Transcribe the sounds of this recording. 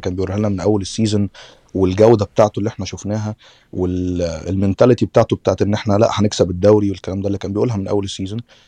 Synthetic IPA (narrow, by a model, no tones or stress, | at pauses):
kæːnmbejʔuːlhælnæmenʔæwːælesːiːzen | welɡæwd̪æbet̪aʕt̪olːiːʔeħnæʃofnæːɦæ | welḛlment̪ælæt̪ibet̪aːʕt̪obet̪aːʕt̪ʔenːʔeħnælæ̰ʔhæneksæbed̪ːæwɾiwelkːælæːmd̪ælːikæːnmbejʔuːlɦæmenʔæ̰wːælesːiːzen